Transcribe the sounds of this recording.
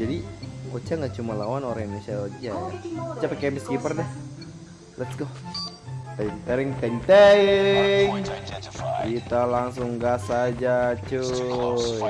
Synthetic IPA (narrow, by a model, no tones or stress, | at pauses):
d͡ʒadiot͡ʃaŋɡaʔt͡ʃumalawanoɾaŋinesiaod͡ʒajaot͡ʃapakamiskipərdɛh | lɛt̪ɡo | t̪ɛɲt̪ɛɾɪŋt̪ɛɲt̪ɛ | ŋ | kit̪alaŋsʊŋɡasad͡ʒat͡ʃu